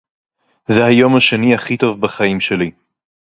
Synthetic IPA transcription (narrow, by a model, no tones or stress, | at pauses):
zehajo̞mhaʃe̞nihaχit̪o̞vbaχaimʃe̞li